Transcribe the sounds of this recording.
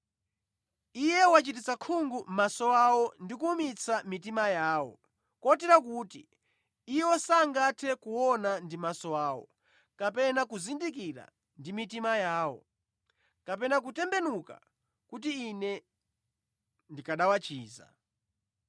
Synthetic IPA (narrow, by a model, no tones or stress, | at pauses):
ijɛwat͡ʃitit͡sakʰuŋɡum̩masɔwawɔndikuːmit͡samitimajaːwɔ̰ | kɔtɛɾak̬uːtḭː | jɔsaŋɡatʰɛkuwɔnandimasɔwaːwɔ̰ | kapɛnakuzindik̬iɾa̰ | ndimitimajaːwɔ̰ | kap̬ɛnak̬utɛmbɛnuka̰ | kut̬iːnɛ | ndikaɗawat͡ʃiːza̰